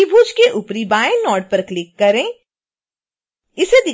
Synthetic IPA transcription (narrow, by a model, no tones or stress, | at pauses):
ibʱuːd͡ʒkeʔʊpɾibaːẽnɔːʈ̚pəɾklɪkːɐɾẽː | ɪsed̪ɪ